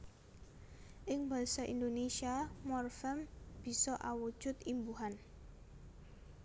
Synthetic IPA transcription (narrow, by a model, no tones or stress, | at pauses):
ʔɪŋbalsaʔḭnd̪onesiamɔrfɛmb̥i̤sɔʔawu̥ʒ̥ʊt̪imbuɦan